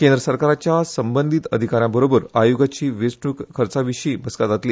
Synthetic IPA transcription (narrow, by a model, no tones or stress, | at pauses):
kend̪ɾəsəɾkaɾat͡ɕjasəmbənd̪ʱit̪əd̪ʱikaɾjãbəɾobəɾajuɡat͡ɕiːʋesɳukkʰːəɾt͡saʋiɕiːbəskat̪d͡zat̪liː